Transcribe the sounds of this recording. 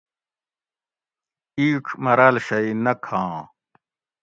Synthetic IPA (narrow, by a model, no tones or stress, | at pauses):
iːkʰmɐɾaːlɕɐinɐkʰãː